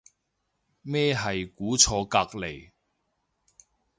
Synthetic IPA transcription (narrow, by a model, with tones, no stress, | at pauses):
mɛː˥ɦɐ˨jkuː˨˥t͡sʰɔː˧kaː˧k̚le˨˩j